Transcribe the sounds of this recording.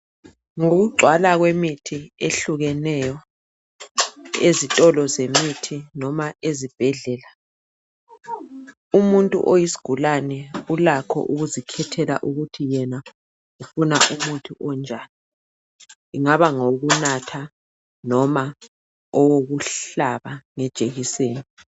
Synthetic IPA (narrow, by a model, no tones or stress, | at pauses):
ŋoɣuɡ͡ǀʱwalaɣwemitʰieɬuɣɛnɛjɔ | ezitʼɔlɔzemitʰinɔmaʔezib̥ʱɛɮɛːla | umuntʼṵʔojisi̥ɡ̥ʱulanɛulakʰɔ̰ʔuɣuzikʰɛtʰɛla̰ʔuɣutʰijɛna | ufuna̰ʔumutʰuʔɔnd͡ʒʱaːni | iŋaβaŋoɣunatʰa | nɔma | ɔwoɣuɬaβaŋɛd̥ʒ̥ʼʱeɣiseːnii